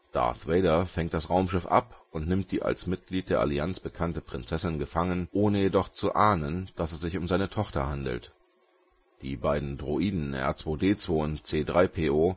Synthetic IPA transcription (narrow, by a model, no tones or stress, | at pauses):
d̥a̰ɐθveɪɾɐfɛŋt̚d̥asʁaʊmʃɪfʔa̰pʊntnɪmt̚d̥iːʔa̰lsmɪt̚ɡ̥liːt̚d̥eːɐʔa̰liant͡sb̥əkʰantəpʁ̥ɪnt͡sɛsɪnɡəfaŋənʔoːnəjedɔχt͡suʔaːnənd̥asɛsz̥ɪçʊmzaɪnətʰɔχtɐhandl̩t | d̥ḭːbaɪdn̩dʁoʔiːdn̩ʔɛ̰ɐt͡sv̥oːdeːt͡sv̥oːʊntt͡seːdʁaɪpʰeːʔoː